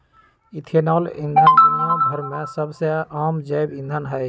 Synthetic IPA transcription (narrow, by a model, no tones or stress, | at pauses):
it̪ʰenalind̪ʱənbinab̪ʱəɾmesəbseamd͡ʒəjbĩnd̪ʱənɦəj